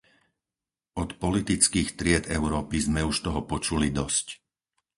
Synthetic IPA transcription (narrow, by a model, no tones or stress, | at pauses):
ɔt̪pɔlit̪it͡skiːxt̪ɾɪɛd̪ɛʊɾɔːpizmɛuʃt̪ɔɦɔpɔt͡ʃulid̪ɔsc